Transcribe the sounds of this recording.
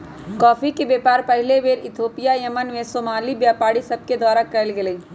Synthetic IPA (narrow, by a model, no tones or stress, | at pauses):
kɔːfikebeːpaːɾpɐɦɪleʋeːɾɪt̪ʰoːpijajɐmənʋẽsoːmaːlibjaːpaːɽisɐb̚ked̪waːɾakɐɾlɡeleː